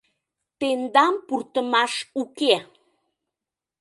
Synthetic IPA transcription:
t̪end̪ɑmpurt̪əmɑʃuke

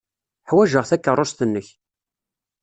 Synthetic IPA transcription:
ħwæʒəʁθækːərˤːost̪ənːəç

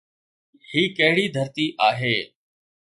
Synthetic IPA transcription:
hiːkəɦɪɽiːd̪ʱəɾt̪iːʔaːɦeː

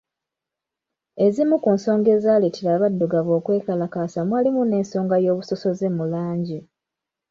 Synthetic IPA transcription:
e̞zimukunso̞ːŋɡe̞ːzaːletiɾaβadːuɡaβo̞ːkwe̞ːkalakaːsamwaːlimune̞ːnso̞ːŋɡajo̞ːβuso̞so̞ze̞mulaːɲɟi

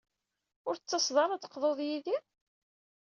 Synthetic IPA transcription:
ʊɾt͡sːɑsðˤɑɾˤɑt͡sːə̥qðˤoðˤjiði

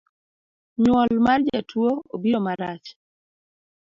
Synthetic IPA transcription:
ɲwɔlmard͡ʒatwoobiɾomaɾat͡ʃ

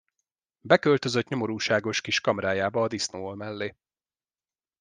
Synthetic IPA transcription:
bɛkø̞lt̪ø̞zøt̪ɲo̞mo̞ɾuːʃaːɡo̞ʃkiʃkɒmɾaːjaːbɒːd̪isnoːolmɛlːeː

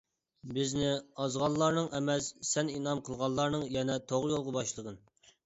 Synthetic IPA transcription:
bɪznɪɑzʁɑnllˠɑɾnɨŋʔɛmɛssɛninɑmqʰəlˠʁɑllːˠɑɾnɨŋjɛnɛt̪ʰoʁɾjolˠʁəbɑʃlˠəʁən

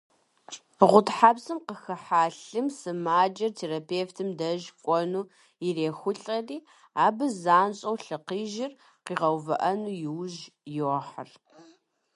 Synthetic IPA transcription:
ʁʷʊtħaːbsɨmqəxɐħaːɬɨmsɨmaːd͡ʒʼɐrtʰeːɾapʰeːftʰɨmdɐʒkʷʼɔnuː | ireːxʷʊɬʼɐriː | aːbɨzaːnɕʼɐwɬɨqiːʒɪr | qiːʁɐwvɐ̰ʔɐnuːjɪwʒjoɐħə̰r

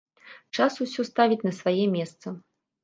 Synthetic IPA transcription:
t͡ʂasusʲɔst̪avʲit͡sʲnɐsvajɛmʲɛst̪sɐ

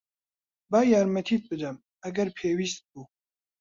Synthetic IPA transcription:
baːjaːɾmɐt̪ʰiːt̪̚bɨd̪ɐm | ɐɡɐɾpʰeːwiːst̪̚buː

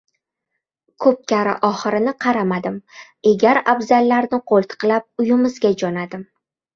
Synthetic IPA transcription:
kʰɵp̚kʲaɾa̰ʔɒχɨɾɪnɪqʰɑɾamad̪ɪm | eɡʲaɾabzalːaɾnɪqʰolˠt̪ʰɨ̥qlap̚ʊjɪmɪzɡʲad͡ʒɒnad̪ɪm

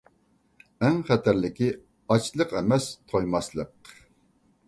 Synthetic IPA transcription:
ɛŋχɛt̪ʰæɾlɪkʲi | ɑt͡ʃʰlˠəqɛmɛst̪ʰojmɑslˠəq

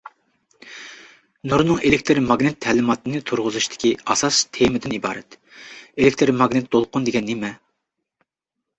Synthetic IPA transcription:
nuɾnɨŋelɪkʲt̪ʰɨɾmɑɡnɪt̪ʰːɛlɪmɑt̪ɨnɨt̪ʰuɾʁʊzuʃt̪ʰɪ̥kʲiɑsɑst̪ʰemɪd̪ɪnibɑ̰ːɾɛt̪ | elɪkʲt̪ʰɨɾmɑɡnɨt̪̚d̪olˠqʊnd̪eɡʲɛnːemɛ

